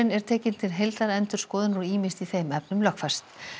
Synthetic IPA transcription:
ɪnɛɾ̥t̪ʰɛːcɪnt̪ʰɪlɦejlt̪aɾɛnt̪ʏ̥skɔːðɪnuɾiːmɪst̪iθejmɛpnʏmlœxkfɛ̥st̪

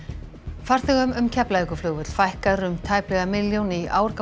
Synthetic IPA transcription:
far̥θɪɣʏmʏmcʰɛplaðiŋkʏflʏːɣvʏt̪l̥fajhkaðɾʏmt̪ʰaːjplɛɣamɪljownɪiʔa̰ːwɾ̥ka

